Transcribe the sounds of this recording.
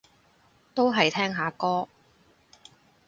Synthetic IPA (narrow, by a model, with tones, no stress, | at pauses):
t̪o˥wɦɐ˨jt̪ʰɛː˥ŋɦaː˨˥kɔː˥